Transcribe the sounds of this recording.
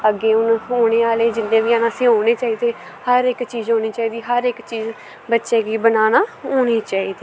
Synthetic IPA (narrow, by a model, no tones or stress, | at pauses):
əɡːeːʊnɦoːɽ̃eːaːleːd͡ʒɪnːẽːʋiːaːnãːsĩːɦoːneːt͡ʃaːiːd̪eː | həɾɪkt͡ʃiːzɦoːniːt͡ʃaːiːd̪iːɦəɾɪkt͡ʃiːz | bətːʃeːɡiːbənaːnãːoːñiːt͡ʃaːiːd̪iː